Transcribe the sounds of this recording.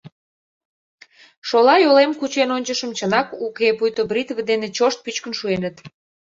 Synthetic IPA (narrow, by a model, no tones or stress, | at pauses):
ʃolɑjolemkut͡ɕenonʲt͡ɕəʃəmt͡ɕənɑkukepujt̪obrit̪vəd̪enet͡ɕoʃt̪̚pyt͡ɕkənʃuenət̪